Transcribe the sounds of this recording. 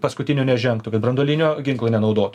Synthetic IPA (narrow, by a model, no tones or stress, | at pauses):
pɐskʊt̪ʲɪnʲuːnʲɛʒʲɛŋkt̪ʊkɐt̪bɾɐnd̪oːlʲɪnʲoːɡʲɪŋklˠoːnʲɛnɐʊd̪oːt̪ʊ